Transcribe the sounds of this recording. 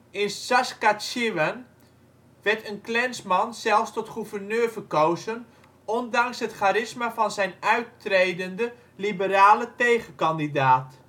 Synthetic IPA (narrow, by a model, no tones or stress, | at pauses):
ɪnsaskatʃiʋən | ʋɛɹtənklɛnsmɑnsɛlˠfstɔtχuvərnøːɹvəkowzən | ɔndɑŋsɦətχaːɾɪsmavɑnzɛjnœɥtrejdəndə | libəraːlətejχəkɑndidaːt